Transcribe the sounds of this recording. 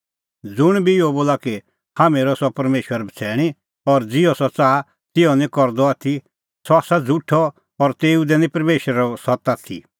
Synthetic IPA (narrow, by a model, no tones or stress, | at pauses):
d͡zʊɽ̃bʱiɪoboːlaki | haːmeːɾɔsɔpɐɾmeːʃwəɾbʱɐt͡sʰɛːɽ̃i | ɔɾd͡zɪɔsɔt͡saː | t̪ɪɔnĩkɔɾd̪ɔaːt̪ʰi | sɔasad͡zʱuʈʰɔ | ɔɾt̪eːud̪ɛnĩpɐɾmeːʃwɾaɔsɔt̪aːt̪ʰḭ